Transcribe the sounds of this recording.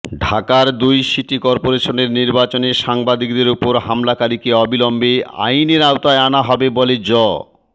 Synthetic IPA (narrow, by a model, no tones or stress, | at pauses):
ɖʱakaɾd̪ujʃiʈikɔɾpoɾeʃoneɾniɾbat͡ɕoneʃaŋbad̪ik̚d̪eɾupoɾɦamlakaɾikeɔbilɔmbea̰jneɾawt̪aeanaɦɔbeboled͡ʑɔ